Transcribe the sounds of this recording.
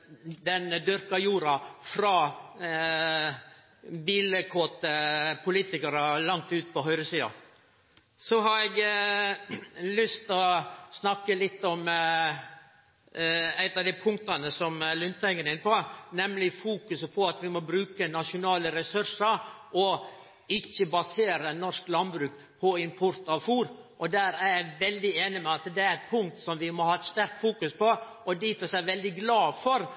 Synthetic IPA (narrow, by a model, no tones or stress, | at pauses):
d̪ɛnd̪ʏɾkɑjuːɾɑfɾɑː | biːləkʰoːt̪əpʰʊliːt̪ɪkɑɾəlɑŋt̪ʉːt̪̚pɔɦœʏɾəsiːɑ̰ | sɔɦɑɾɛɡ | lʏst̪ɔsnɑkːəlɪt̪ːɔm | æɪt̪ɑʋd̪æɪpʰʊŋk̚t̪ɑnəsɔmlʏnt̪ʰæɪŋːəɾɪnəpɔnɛmlɪfuːkʉsəpʰɔɑt̪ʋɪmɔbɾʉːkənɑʂʊnɑːləɾɛsʉɾʂəɾʔɔ | ɪçːəbɑseːɾənɔʂklɑnbɾʉːk | pʰɔɪmpʰʊɾt̪ɑʋfuːɾʔɔd̪æːɾæɾjæɪʋɛld̪ɪeːnɪmɛɑt̪d̪ɛæɾɛt̪pʰʊŋk̚t̪sɔmʋɪmɔhɑːɛt̪st̪æɾk̚t̪fuːkʉspʰɔ | ʔɔd̪ɪfɔsæɪʋɛld̪ɪɡlɑːfɔɾ